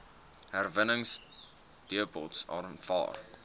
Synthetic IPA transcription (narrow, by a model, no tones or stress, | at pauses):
ɦærvənəŋs | d̥iəpɔ̰lˠtsɑ̰rmfɑ̰ːr